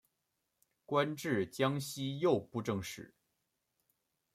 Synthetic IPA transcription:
kwa˥nʈ͡ʂɻ̩˥˩t͡ɕjɑ˥ŋɕi˥jo˥˧ʊpu˥˧ʈ͡ʂɤ˥˧ŋʂɻ̩˥˨˩

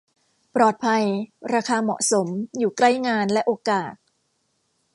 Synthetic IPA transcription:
pɾɔː˨˩t̪̚pʰa˧jɾaː˧kʰaː˧mɔ̰˨˩ʔso˩˦mjuː˨˩kla˥˩jŋaː˧nlɛ˦˥ʔoː˧kaː˨˩t̪̚

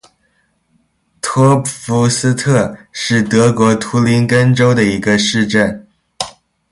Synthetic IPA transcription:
t̪ʰɔ˥fu˧˥s̩˥t̪ʰɤ˥˧ʂɻ̩˥˩t̪ɤ˧˥kwɔ˧˥t̪ʰu˥li˧˥nkə˥nʈ͡ʂo˥ʊd̪ə˨i˧˥ɡə˧ʂɻ̩˥˧ʈ͡ʂə˥˩n

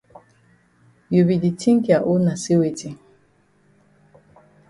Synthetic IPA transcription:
ju˨bi˨di˨tʰi˦ŋ̩˦kja˨ʔʊ˦na˨si˦we˨ti˦

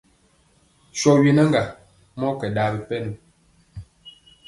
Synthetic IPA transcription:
ʃɔ˨ɥi˨nə˦ŋɡa˨ | mɔ˦kɛ˨daː˨˦bə˨pɛ˦nu˨

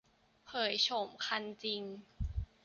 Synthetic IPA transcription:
pʰɤː˩˦jt͡ɕʰo˨˩˦mkʰa˧nt͡ɕi˧ŋ

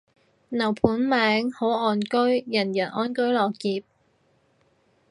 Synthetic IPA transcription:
nɐ˨˩wpʰuː˨˥nmɛː˨˥ŋho˨˥wɔː˨˧nkɵ˥ɥjɐ˨˩njɐː˨˩nʔɔː˥nkɵ˥ɥlɔː˨kːiː˧p̚

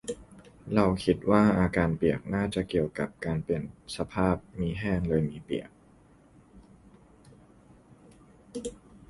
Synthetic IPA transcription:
ɾa˧wkʰi˦˥t̪̚waː˥˩ʔaː˧kaː˧npi˨˩ək̚naː˥˩t͡ɕa˨˩ki˨˩əwka˨˩p̚kaː˧npe˨˩nsa˧pʰaː˥˩p̚miː˧ɦɛː˥˩ŋlɤː˧jmiː˧pḭ˨˩ək̚

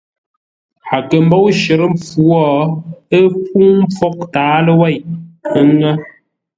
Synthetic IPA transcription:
ha˨kə˨m˦bɔ˦wʃə˨ɾə˦mp͡fu˨˦ɔ˦ə˦p̚u˦ŋm˦p͡fɔ˦k̚taː˨˦lə˦wɛ˦˨jə˦ŋə˦

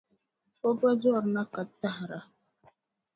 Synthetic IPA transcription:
fo˦ba˦d͡ʒɔ˦˨ɾna˦ka˨tːa˦hɾa˨

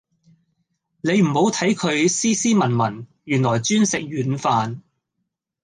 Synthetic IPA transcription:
ne˨˧jm̩˨˩ho˨˧wt̪ʰɐ˨˥jkʰɵ˨˧ɥsiː˥siː˥mɐ˨˩nmɐ˨˩n | jyː˨˩nlɔː˨˩jt͡ʃyː˥nsɪ˨k̚jyː˨˥nfaː˨˧n

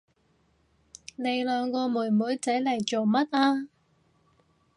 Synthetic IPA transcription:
ne˨˧jlœː˨˧ŋkɔː˧muː˨˩jmuː˨˥jt͡sɐ˨˥jlɐ˨˩jt͡ʃo˨˩wmɐ˥t̚ʔaː˧

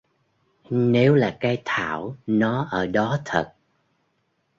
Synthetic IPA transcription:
ne˨˦wlaː˨˩kaː˨˦jt̪ʰa̰ː˧˩˨wnɔ˨˦ʔəː˧˩ɗɔ˨˦t̪ʰə̰˨˩t̚

